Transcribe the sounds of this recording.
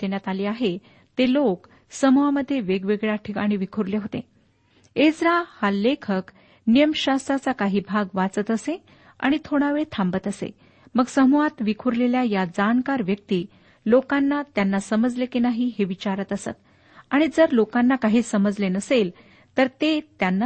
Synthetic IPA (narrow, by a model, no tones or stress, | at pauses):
t̪enjat̪aliːaɦe | t̪elok | səmuʋaməd̪ʱːjeʋeɡʋeɡɭjaʈʰikaɽ̃iʋikʰuɾleɦot̪ḛ̃ | ed͡zɾahalːekʰək | nijəmɕast̪ɾat͡sakaɦiːbʱaɡʋat͡sət̪əse | a̰ɽ̃it̪ʰoɽ̃aʋet̪ʰãmbət̪əsḛ | məɡsəmuʋat̪ʋikʰuɾleljajad͡zaɳkaɾʋjək̚t̪iː | lokanːat̪janːasəməd͡zlekinaɦiːɦeʋit͡ɕaɾət̪əsə̰t̪̚ | aɽ̃id͡zəɾlokanːakaɦiːsəməd͡zlenəsel | t̪əɾt̪et̪janːa